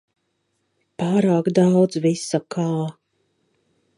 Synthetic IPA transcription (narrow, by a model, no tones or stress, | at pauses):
paːɾaːkd̪awd̪zvisːakʰaː